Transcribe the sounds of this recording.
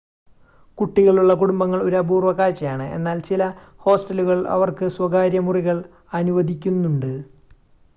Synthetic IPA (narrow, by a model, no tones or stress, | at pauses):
kuʈːiɣɐɭuɭːɐkuɽumbɐŋːɐɭoɾɐbuːrʋɐkaːɻt͡ɕːɐjaːɳɨe̞̰nːaːlt͡ɕilɐ | ho̞ːsʈɐluɣɐɭɐ̰ʋɐrkɨswɐɡaːɾjɐmuriɣɐɭ | ɐnuʋɐd̪ʱikʲːunːuɳɖɨ